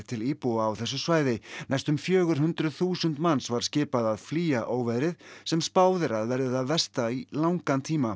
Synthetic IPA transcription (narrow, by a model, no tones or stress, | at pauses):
t̪ʰɪliːpuaːwθɛsːʏsvaːjðɪnajst̪ʏmfjœːɣʏɾ̥ɦʏnt̪ɾʏðθuːsʏnt̪manːsvaɾ̥scɪːpaðaðfliːaʔoːwvɛðɾɪðsɛmspaːwðɪɾaðvɛɾðɪðaðvɛst̪ailawŋkant̪ʰiːma